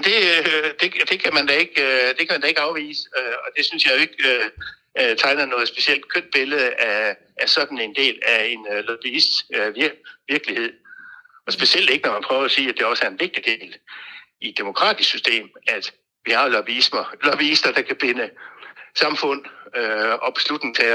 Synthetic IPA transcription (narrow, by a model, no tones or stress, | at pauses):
md̥e̝d̥e̝d̥e̝kʰæmænd̥æe̝ɡ̥ød̥e̝kʰæmænd̥æe̝ɡ̥ɑ̈ʊʋḭːsəøɒ̽d̥e̝synsjɑ̈ɪjo̝e̝ɡ̥ | t͡sʰɑ̈ɪnɐnɔ̽ːðˠsb̥e̝siel̰d̥kʰøn̰d̥̚b̥e̝ləð̩ˠæ | æsɒ̽d̥n̩e̝nd̥e̝̰ːlæe̝nlɒb̥iisd̥ʋiɐʋiɐɡ̥lihe̝ð̰ˠ | ɒ̽sb̥e̝siel̰d̥e̝ɡ̥ənɒmænpʰʁœːʊɐɒsiːæd̥e̝ɒ̽sæɐe̝nʋe̝ɡ̥̚d̥id̥e̝̰ːl | id̥e̝mo̝kʰʁɑ̰ːd̥ʰisksysd̥e̝̰ːmæd̥ | ʋihɑ̈lɒb̥smɐlɒb̥iisd̥ɐd̥ɑ̈kʰæb̥e̝nəsɑ̈mfɔ̽n̰øɒ̽b̥e̝̥slud̥neŋt͡sʰe